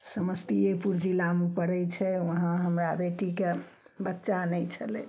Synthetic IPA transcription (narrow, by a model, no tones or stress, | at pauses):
səməst̪iepuɾd͡ʒilamepəɽɛjt͡ʃʰɛʋəɦãɦəmɾabeʈike | bətːʃanɛjt͡ʃʰəlɛ̰